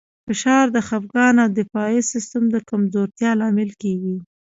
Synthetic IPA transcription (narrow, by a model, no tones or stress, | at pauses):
fɪʃɑɾd̪əxapɡɑnad̪ɪfɑisɪst̪əmd̪əkamzoɾt̪jɑlɑmɪlkeɡi